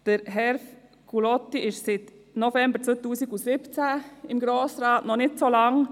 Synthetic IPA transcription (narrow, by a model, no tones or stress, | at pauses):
d̥əɾɦɛɾf | kʰulɔtiʔɪʃsɪt | nofɛmbət͡sot̪uːsiɡusɪpt͡sæɪmɡɾoːsɾɑːtnɔnɪtsolɑŋ